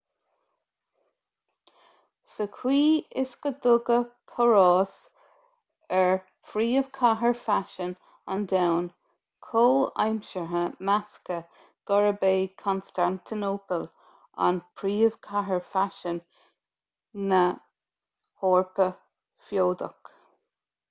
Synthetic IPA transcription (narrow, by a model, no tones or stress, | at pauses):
səkʰwiːɪskəd̪ʊɡəpʰɔɹɑːs | ɛɹ | fɾiːəv̥kʰaɦəɹfaʃən | a̰nd̪awn | kʰoːa̰jmʃəɦəmaskə | ɡ̥ɔɹəbeːkʰɔnstant̪ʰinoːpəl | a̰npʰɾiːəv̥kʰaɦəɹfaʃən | ə | hoːɹpə | fjoːd̪ə̰k